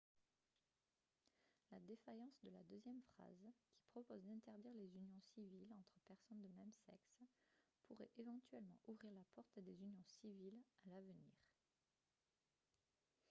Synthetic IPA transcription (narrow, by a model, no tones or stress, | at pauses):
lad̪efajɑ̃sd̪əla̰d̪øzjɛmfχa̰zkʲi̥pχɔpozd̪ɛ̃t̪ɛʁd̪iʁlezynjɔ̃sivilɑ̃t̪χəpɛʁsɔnd̪əmɛmsɛ̰kspuʁɛʔevɑ̃t̪ɥɛlmɑ̃ʔuvʁiʁlapɔʁt̪d̪ezynjɔ̃sivilalavəniːʁ